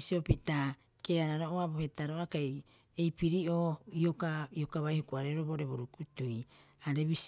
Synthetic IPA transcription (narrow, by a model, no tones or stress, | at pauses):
siopita | keaɾaɾoʔoabohetaɾoakaj | ejpiɾiʔoːiokaiokaβajhokuaɾeɾoboʔɾe̞βoɾukutuj | aɾe̞βis